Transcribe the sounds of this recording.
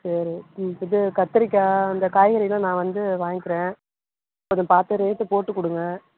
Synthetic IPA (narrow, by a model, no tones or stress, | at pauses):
sɐɾiɪðɯkɐt̪ːɯɾɪkːaːɐnd̪ɐkaːjɣɐɾɪlãːnãːʋɐnd̪ɯʋaːŋɡɪkːɪɾẽː | ɪpːoːðɛ̃paːɾt̪ɯɾeːsɯpoːʈːɯkːʊɽɯŋɡɐ